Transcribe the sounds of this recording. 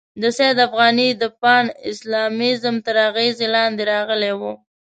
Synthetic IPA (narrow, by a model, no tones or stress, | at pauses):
d̪əsed̪afɣɑnid̪əpɑnɪ̰slɑmɪzmt̪əɾaɣezelɑnd̪eɾɑɣəlewu